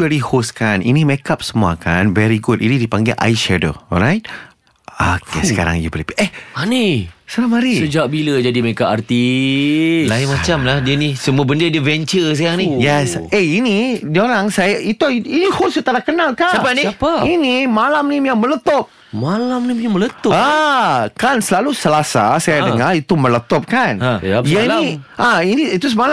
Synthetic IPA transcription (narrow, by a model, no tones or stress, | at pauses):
ɛɾihoskanḭnĩmɛkap̚səmua̰kanvɛɾiɡutḭnidipaŋɡḭʔa̰jʃɛdo̰ɔ̰lɾajt̚ | akḛsəka̰ɾa̰ŋjubələpiʔehanisaɾamaɾisəd͡ʒak̚biləd͡ʒadimekaʔart̪i | lainmãt͡ʃamlahdiənisəmuabəndədiəvɛnt͡ʃəs̬ajaŋnijɛseinidioɾaŋsajaʔit̪uiniholsut̪anakənalkasapaniapainimalamnimjaŋmələt̪ɔp̚ | malamnimjamələt̪ɔakansəlalusəlasa̰sajadəŋarit̪umələt̪ɔp̚kanaianĩʔainiit̪usəmala